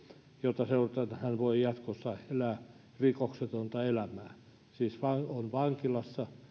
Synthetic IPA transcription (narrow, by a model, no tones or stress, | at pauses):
jot̪ɑseurt̪ɑnhænʋoijɑt̪kosːɑelæː | rikokset̪ont̪ɑelæmæː | siːsʋɑonʋɑŋkilɑsːɑ